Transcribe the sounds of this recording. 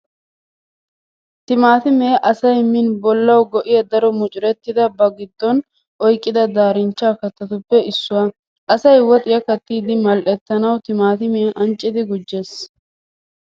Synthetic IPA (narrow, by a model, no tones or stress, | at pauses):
t̪ɪmaːt̪ɪmeːʔɐsɐjmɪnbɔlːɐwɡɔʔɪjɐd̪ɐɾɔmʊt͡ʃʼɪɾɛt̪ːɪd̪ɐbɐɡɪd̪ːɔn | ʔɔjkʼːɪd̪ɐd̪aːɾɪnt͡ʃːaːkɐt̪ɐt̪ʊpːɛʔɪsːʊwaː | ʔɐsɐjwɔt̪ʼɪjɐkɐt̪ːiːd̪ɪmɐlʔɛt̪ːɐnɐwt̪ɪmaːt̪ɪmeʔɐnt͡ʃʼːɪd̪ɪɡʊd͡ʒːe̞ːs